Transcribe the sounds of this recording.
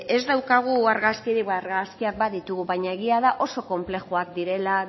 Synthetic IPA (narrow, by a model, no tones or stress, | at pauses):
e̞zd̪awkaɣ̞uaɾɣaskiɾiβaɾɣaskiak̚baðit̪uɣ̞uβajɲae̞ɣ̞iaðaʔo̞so̞ko̞mple̞xuakd̪iɾe̞la